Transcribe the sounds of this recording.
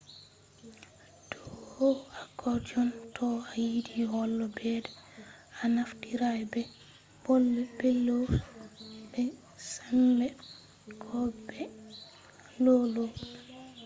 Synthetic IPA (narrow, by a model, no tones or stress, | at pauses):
tɔhoakɔd͡ʒɔntʰɔajidiɦɔlːɔbɛdɛanaftiɾajbɛ | b̥olːɛbɛlo | bɛ | sambɛ | kʰɔbɛ | lolo